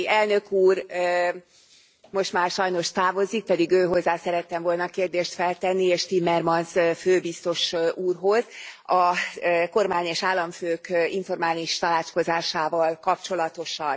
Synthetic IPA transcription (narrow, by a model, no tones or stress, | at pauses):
ɛlnø̞kuːr | mo̞ʃt̪maːrʃɒjno̞ʃt̪aːvo̞zik̚pɛd̪iɡøːɦo̞zːaːsɛɾɛt̪ːɛmvo̞lnɒkeːrd̪eːʃt̪fɛlt̪ɛnːieːʃt̪imːɛrmɒnsføːbist̪o̞ʃuːrɦo̞zɒko̞rmaːɲeːʃaːlːɒɱføːkiɱfo̞rmaːliʃt̪ɒlaːt͡ʃko̞zaːʃaːvɒlkɒpt͡ʃo̞lɒt̪o̞ʃɒn